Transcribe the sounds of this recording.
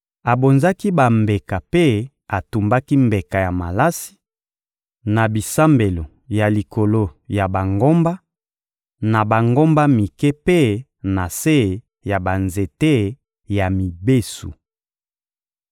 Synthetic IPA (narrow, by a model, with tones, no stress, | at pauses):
a˨bo˨nza˦ki˦ba˨mbe˨ka˨pe˦ | a˨tu˨mba˦ki˦mbe˨ka˨ja˨ma̰˨la˦si̥˦ | na˨bi˨sa˦mbe˨lo˨ | ja˨li˨ko˨lo˦ja˨ba˨ŋɡo˦mba˦ | na˨ba˨ŋɡo˦mba˦mi˨ke˦pe˦ | na˨se˦˨ | ja˨ba˨nze˨te˦˨ | ja˨mi˨be˦sṵ˨